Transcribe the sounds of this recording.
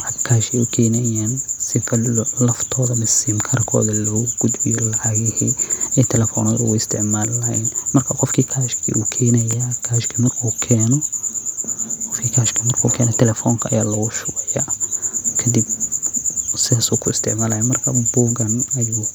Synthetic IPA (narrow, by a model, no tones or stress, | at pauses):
ħɑd̪kʰaːʃɛʊkʰɛːnɐjaːnsɪkʰɐlɐft̪ʰɔːðɐmɪsimkʰɐrkʰɔ̰ːðɐlɔːɣʊɡ̥ʊd̪bɪjɔlɐʕɑɣɛhɛɛt̪ʰɛlɛfɔ̰ːnɔːðʊ̰ʊɪst̪ʰɪʕmaːlːɐhɐjnmɐrkʰɐqɔfkʰiːkʰaːʃkʰḭʔuːkʰɛːnɐjakʰaːʃkʰimɐrkʰuːkʰɛːnɔ | qɔfkʰiːkʰaʃkʰiːmɐrkʰṵːkʰɛːnɛt̪ʰɛlɛfɔːŋkʰɐɐ̰jaːlɐɣʊʃʊɣɛja | kʰɐd̪ib̚ | sɪðaːsuːkʰʊɪst̪ʰɪʕmaːlɐhamɐrkʰɐbɔːɡɐnɐjuː